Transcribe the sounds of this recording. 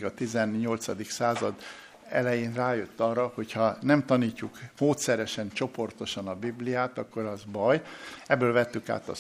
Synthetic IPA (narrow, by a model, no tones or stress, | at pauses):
ɡɒt̪izɛnɲo̞lt̪sɒd̪iksaːzɒd̪ | ɛ̰lɛjeːnraːjøt̪ːɒrːɒho̞chɒnɛmt̪ɒniːcːukmoːt̪sɛɾɛʃɛnt͡ʃo̞po̞rt̪o̞ʃɒnɒbiblijaːt̪ɒkːo̞ɾɒzbɒjɛbːøːlvɛt̪ːyka̰ːt̪ɒ̰